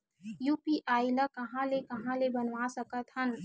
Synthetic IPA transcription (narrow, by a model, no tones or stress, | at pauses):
juːpiʔaːiləkɐɦãlekɐɦãlebənʋasəkət̪ɦən